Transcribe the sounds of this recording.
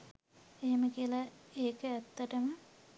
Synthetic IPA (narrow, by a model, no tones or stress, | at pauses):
eɦeməkiəlaeːkəæt̪ːəʈəmə